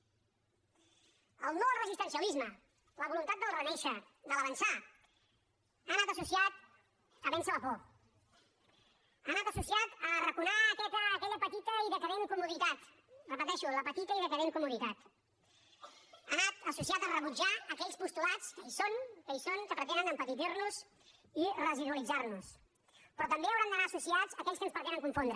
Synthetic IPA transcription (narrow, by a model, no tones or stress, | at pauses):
əlˠnowrəzist̪ənsiəlizmə | ləβulunt̪at̪̚d̪əlˠrənɛʃə | d̪ələβənsa | anat̪əsusiat̪̚ | əβɛnsələpɔ | ənat̪əsusiat̪ərəkunaːkɛt̪əːkɛʎəpət̪it̪əiðək̪əɾeŋkumuðit̪at̪ | rəpət̪ɛʃuləpət̪it̪əiðət̪əɾeŋkumuðit̪at̪ | anat̪əsusiat̪ərəβud͡ʒaəkɛʎspust̪ulat͡skəisoŋkəisoŋkəpɾət̪ɛnənəmpət̪iðiɾnuz | irəziðuəlid͡zaɾnus | pɾɔt̪əmbeəwɾand̪ənaːsusiazəkɛʎskənspɾt̪ɛnəŋkuɱfond̪ɾə